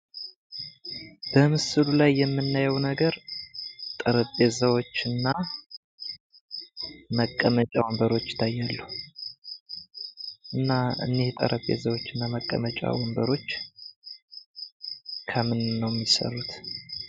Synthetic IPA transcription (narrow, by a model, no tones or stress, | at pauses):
b̥əmɨsɨlulajːɛmːɨnːajɛwnəɡəɾ | t̪ʼəɾəpʼːesəwo̞t͡ʃːɨnːa | məkʼːəmət͡ʃʼawmbəɾo̞t͡ʃːɪ̥t̪ʰːajːalːuh | ʔɨnːaɨ̰nːeht̪ʼə̰ɾʔəpʼːḛzəwo̞t͡ʃːɨnːaməkʼːə̰mət͡ʃʼa̰wɔmbəɾo̞t͡ʃː | kʰəmɨnɨnːəwmːisə̰rut̪